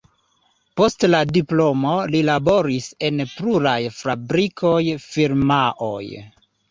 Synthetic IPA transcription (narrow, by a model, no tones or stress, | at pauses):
po̞stladiplo̞mo̞lilabo̞ɾise̞npɾuɾajfɾabɾikʰo̞jfiɾmaʔo̞̰j